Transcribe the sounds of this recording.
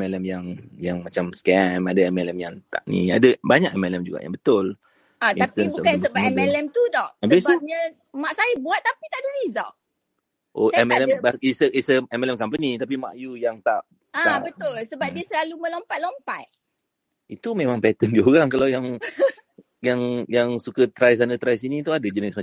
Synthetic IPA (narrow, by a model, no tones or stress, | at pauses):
ɛmɛlɛmjaŋjaŋmat͡ʃamskɛmadaɛmɛlɛmjaŋt̪a̰ʔnḭ̃a̰dabaɲakɛmɛlɛmd͡ʒuɡa̰ʔja̰ŋbət̪ʊl | at̪at̪ənbukansəbaɛmɛlɛmt̪udɔhsabəbisb̚ɲə | maʔsajəbuat̪̚ːapit̪aʔdəɾizɔ̰ʔ | ʔosɛmɛlɛmaisəʔisəɛmɛlɛmkampənit̪ap̬ima̰ʔjujaŋt̪aʔ | aabət̪ʊlsəbap̚diəsəlalumə̃lompat̪̚lompat̪̚ | it̪umemãŋpɛt̪əndioɾaŋkalawjaŋ | jaŋjaŋsukət̪ɾajs̬anət̪ɾajsinĩt̪uadəd͡ʒənəsma